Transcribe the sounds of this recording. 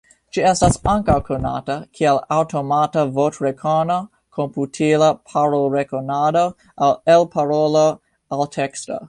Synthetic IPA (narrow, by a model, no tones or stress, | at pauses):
d͡ʒiestasaŋkawkʰona̰takʰialawto̞matavotɾekʰono | kʰomputʰilapʰaɾolɾekonado | ʔalelpʰaɾolo | altʰeksto̰